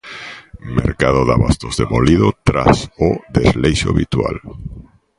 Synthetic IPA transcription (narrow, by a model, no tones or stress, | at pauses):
meɾkað̞oðaβast̪ozðemoliðot̪ɾasoðezlejʃo̰aβit̪wa̰l